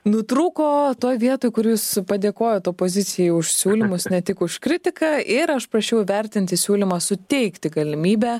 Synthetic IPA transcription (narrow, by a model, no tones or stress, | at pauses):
nʊt̪ɾuːkoːt̪oːjʋʲiɛt̪oːjkʊɾʲjuːspɐd̪ʲeːkoːjot̪oːpoːzʲɪt͡s̪ʲɪjɛʊʃsʲuːlʲɪmʊsnʲɛt̪ʲɪkʊʃkɾʲɪt̪ʲɪkɑʔɪɾɐʃpɾɐʃʲɛʊʋʲɛɾʲt̪ʲɪnʲt̪ʲɪsʲuːlʲɪmɑːsʊt̪ʲɛɪkt̪ʲɪɡɐlʲɪmʲiːbʲɛ